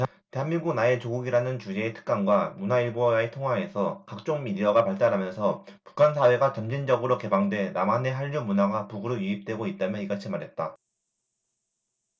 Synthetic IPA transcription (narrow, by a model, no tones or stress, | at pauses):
te̞ɦanmiŋɡuɡnae̞t͡ɕoɡuɡiɾanɯnt͡ɕud͡ʑe̞ːtʰɯ̥k̚k͈anɡwamunaiɭboaetʰoŋɦwae̞sʰʌkak̚t͡ɕ͈oŋmidiaɡapaɭt͈aɾɦamjʌnsʰʌ | pu̥kʰansʰawe̞ɡat͡ɕʌmd͡ʑind͡ʑʌɡɯɾoke̞baŋdwe̞namane̞ɦaʎːumunaɡapuɡɯɾojuip̚t͈we̞ɡoit̚t͈amjʌniɡat͡ɕʰimaɾɦe̞t̚t͈a